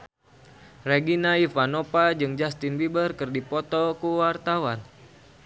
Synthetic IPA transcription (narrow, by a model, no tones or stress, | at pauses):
rɛɡinaifanopad͡ʒɨŋd͡ʒast̪inbibərkɨrdipɔt̪ɔkuwart̪awan